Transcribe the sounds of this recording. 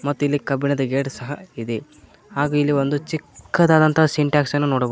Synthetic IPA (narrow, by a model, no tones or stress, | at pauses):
mɐt̪ːuilːikɐbinɐd̪ɐɡeːʈsɐɦɐ̰id̪e | haːɡuːilːiʋo̞nd̪ut͡ʃikːɐd̪aːd̪ɐnt̪ɐɐsiɳʈaːksɐnːunoːɽɐb